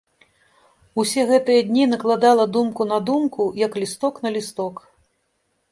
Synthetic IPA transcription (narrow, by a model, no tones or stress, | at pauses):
usʲɛɣɛt̪ɨjɐd̪ʲnʲinɐklˠad̪alˠɐd̪umkunɐd̪umkujɐklʲist̪ɔknɐlʲist̪ɔk